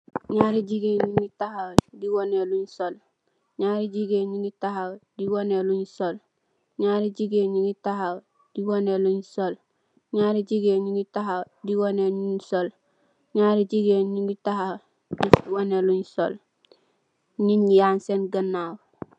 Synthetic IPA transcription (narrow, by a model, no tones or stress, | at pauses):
ɲaɾiɟiɡeːɲiŋitahawdiwoneluɲsol | ɲaːɾiɟiɡeɲiŋitahawdiwoneluɲsol | ɲaɾiɟiɡeɲiŋitaɦaw | d̥iwoneluɲsol | ɲaɾiɟiɡeɲiŋitaɦaw | diwoneɲuɲsol | ɲaɾiɟiɡeɲiŋɡitahaw | diwoneluɲso̰l | ɲiɲjaːnsenɡanːaːw